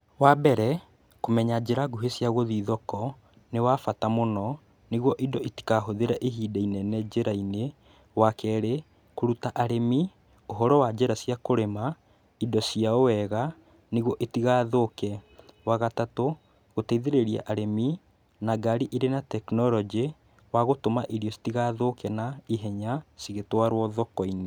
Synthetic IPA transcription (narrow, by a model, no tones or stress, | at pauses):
wabɛɾɛ | komɛɲad͡ʑeɾaɡuɦesjaɣoðiðɔkɔ | newafatamonɔ | neɣwɔʔidɔʔiti̥kaɦoðeɾaʔeɦiːdainɛnɛd͡ʑeɾaine | wakɛɾe | koɾutaʔaɾemi | oɦɔɾɔwad͡ʒɛɾasjakoɾema | idɔsiaowɛɣa | neɣwɔʔetiɣaːðokɛwaɣatato | ɣotɛiðeɾeɾia̰ʔaɾemi | naɡaɾiʔiɾenatɛknɔlɔd͡ʒe | waɣotomaʔeɾiɔsi̥tiɣaːðokɛnaiɦɛɲasiɣetwaɾwɔðɔkɔine